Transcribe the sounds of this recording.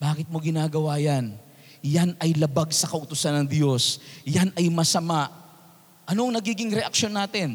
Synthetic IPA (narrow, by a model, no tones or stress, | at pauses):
baːkɪt̪̚mo̞ɡɪnaːɡɐwaːjɐn | janɐjlɐbaɡsɐkɐʔʊt̪ʊsanːɐŋd̪jo̞sjanɐjmɐsɐmaʔ | ʔɐnoɐŋnɐɡiːɡɪŋɾɛʔɐk̚ʃo̞nːaːt̪ɪn